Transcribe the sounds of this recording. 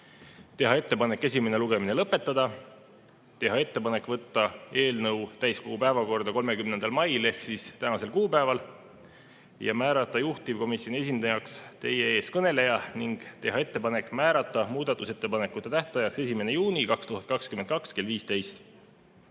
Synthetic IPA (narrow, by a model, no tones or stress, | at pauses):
t̪e̞ɦɑe̞t̪ːe̞pɑne̞kːˑe̞s̬ʲime̞ne̞luɡ̥e̞mine̞lɤpːˑe̞t̪ːˑɑd̪̥ɑ | t̪e̞ɦɑe̞t̪ːe̞pɑne̞kːˑvɤt̪ːɑe̞ːlnɤwt̪æjsko̞ɡ̥upæevɑko̞rd̪̥ɑko̞lme̞kymnend̪̥ɑlmɑjle̞hksist̪ænɑse̞lkuːpæe̞vɑl | jɑ̰mæːɾɑt̪ːˑɑjuht̪ivko̞misjo̞nie̞s̬ʲind̪̥ɑjɑkst̪e̞je̞e̞ːskɤne̞le̞jɑniŋɡ̥t̪e̞ɦɑe̞t̪ːe̞pɑne̞kːˑmæːɾɑt̪ˑːɑmuːd̪̥ɑt̪ːˑuse̞t̪ːe̞pɑnekːˑut̪ːˑet̪æht̪ˑɑjɑkse̞sime̞ne̞juːnikɑkst̪uɦhɑt̪̚kɑkskymet̪̚kɑkske̞lviːst̪e̞jst̪